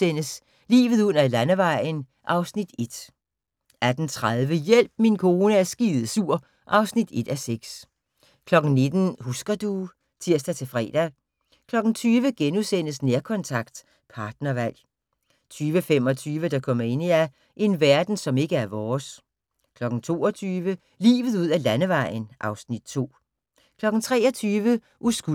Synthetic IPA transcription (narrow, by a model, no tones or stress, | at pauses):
sen̰əs | lḭːʋð̩ˠṵɐlænəʋɑ̈ɪ̰n̩ | ʔɑ̈ʊsnid̥e̝d̥ | æd̥n̩t͡sʰʁað̞ˠʋəjel̰b̥̚minkʰo̝ːnəæɐsɡ̥iːð̩ˠsuɐ̰ | ʔɑ̈ʊsnid̥e̝d̥æseɡ̥s | kʰlɒ̽ɡ̥n̩ne̝d̥n̩husɡ̥ɐd̥u | sʰiɐ̰sd̥æt͡sʰe̝fʁɛ̰ːd̥æ | kʰlɒ̽ɡ̥n̩t͡sʰyːʋəɡ̥enusen̰əs̬neɐkʰɒ̽nt͡sʰɑ̈ɡ̥d̥ | pʰɑ̈ːd̥nɐʋæl̰ | t͡sʰyːʋəfem̰ɒ̽t͡sʰyːʋəd̥ɑ̈kʰɒ̽m̰ɐe̝n̰iæ | ʔe̝nʋæɐd̥n̩sɒ̽me̝ɡ̥əæɐʋɒːs | kʰlɒ̽ɡ̥n̩t͡sʰo̝̰ːɒt͡sʰyːʋə | lḭːʋð̞̩ˠuð̞̰ˠælænəʋɑ̈ɪ̰nʔɑ̈ʊsnid̥t͡sʰo̝̰ː | kʰlɒ̽ɡ̥n̩t͡sʰʁɛ̰ːɒ̽t͡sʰyːʋə | ʔusɡ̥u